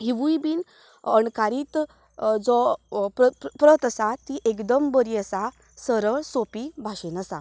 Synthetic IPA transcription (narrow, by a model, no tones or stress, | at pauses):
ɦiʋujbiːn | əɳkaɾiːt̪ | d͡zɔpəpɾət̪əsat̪iʔekd̪əmbəɾiəsa | səɾəɭsopibʱaɕenəsa̰